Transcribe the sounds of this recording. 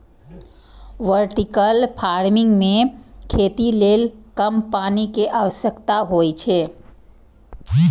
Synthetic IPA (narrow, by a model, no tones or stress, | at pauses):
ʋəɾʈikəlpʰaːɾmɪ̃ŋɡmẽkʰeːt̪ileːlkəmpaːnikeʔaːʋəsjəkt̪aɦojt͡ʃʰeː